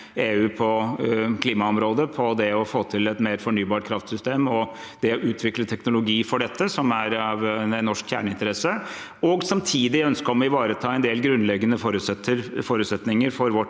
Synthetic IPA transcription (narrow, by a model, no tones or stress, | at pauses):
eːʉːpʰɔkʰliːmɑɔmɾoːd̪əpʰɔd̪ɛɔfoːt̪ʰɪlɛt̪meːɾfɔɳyːbɑːʈ̚kʰɾɑft̪sʏst̪eːmɔ | d̪̥ɛɔʔʉːt̪ʰʋɪklət̪ʰɛknʊlʊɡiːfɔɖɛt̪ːəsɔmæɾɑʋɛnːɔʂkçæ̰ːɳəɪnt̪əɾɛsə | ɔɡsɑmt̪ʰiːd̪ɪœnskəɾɔmʋɪʋɑːɾət̪ʰɑːɛnd̪eːlɡɾʉnlɛɡːənəfoːɾʉt̪sɛt̪ːəɾfoːɾʉːt̪sɛt̪nɪŋəɾfɔɾʋɔʈ